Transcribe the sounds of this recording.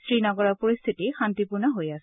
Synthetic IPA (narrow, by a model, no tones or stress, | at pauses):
sɹinɔɡɔɹɔɹpoɹist̪ʰitixantipʊɹnaɦojasɛ